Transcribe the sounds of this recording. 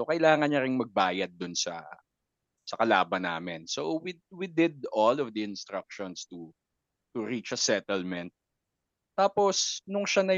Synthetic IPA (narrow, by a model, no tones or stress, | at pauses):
sokɐɪlaːŋɐnɲɐɾɪŋmɐɡ̚baːjɐd̪̚ːʊnsɐ̰ | sɐkɐla̰ːbɐnːa̰ːmɛnsowiwid̪ɪd̪̚ɔlɔvd̪ɐɪnst̪ɾɐk̚ʃɔnst̪u | t̪ʊɹit͡ʃɐsɛt̪ɛlmɛ̃nt̪̚ː | aːposnʊŋʃanɐ